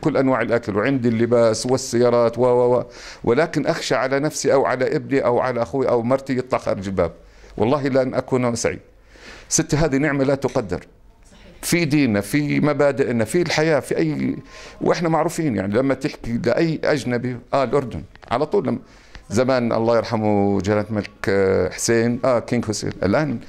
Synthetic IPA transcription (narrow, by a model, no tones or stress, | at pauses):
kʊlːʔanwaːʕɪlʔakalwʕɪnd̪ilːɪbaːswɪsːajːɑːɾˤɑːt̪wawawa | wʔɪlaːkɪnʔaxʃaʕalanafsiʔawʕa̰laʔɪbniʔawʕa̰laʔaxuwiʔawmɑɾˤt̪ijɨt̪ˤlɑxa̰ːɾɪd͡ʒɪlba̰ːb̚ | wʔɑ̰lˤːɑːɦilʔanːʔakuːnʔsa̰ʕḭːd | sɪt̪ːaɦaːðinɪʕmalat̪ʊqɑd̪ːɪ̰ɾ | fid̪iːnafimabaːd̪ɪʔnafilħajaːfiʔajːwʔɪħnamaʕɾuːfiːnja̰ʕnilamːat̪ɪħkilɪʔajːʔad͡ʒnabiʔaːlʔʊɾˤd̪ʊn | ʕa̰lat̪ˤuːlːam | zamaːnʔɑ̰lˤːɑːjɪɾˤħamud͡ʒalat̪malkħseːnʔakɪŋɡhʊsḛːnʔɪ̰lʔaːn